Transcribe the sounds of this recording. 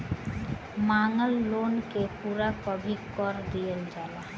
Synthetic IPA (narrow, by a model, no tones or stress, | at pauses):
maŋəlːonkepuɾakɔbʱikːɔɾdijeld͡ʒala